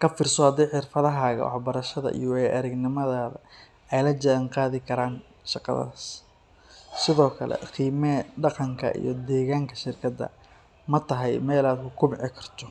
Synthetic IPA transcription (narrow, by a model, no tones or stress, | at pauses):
kʰɐfɪrsɔhɐd̪ɛjħɪrfɐðɐɦaːɣɐ̰wɑ̰ħbɐɾɐʃɐðɐ̰ʔḭjɔwɛjʔɐɾɐɡnɪmɐðaːβɐ | ɛjlɐd͡ʒɐŋqɑːðɪkʰɐɾaːn | ʃɑqɑ̰ðɐ̰s | sɪðɔːkʰɐlɛ̰qiːmɛɖɑqɑŋkʰɐ̰ʔḭjɞd̪ɛːɣaːŋkʰɐʃɪrkʰɐd̪ːɐ̰ | mɐt̪ʰɐɦɛjmɛːlaːd̪kʰʊkʰʊmɪʕɪkʰɐ̥rt̪ʰɔ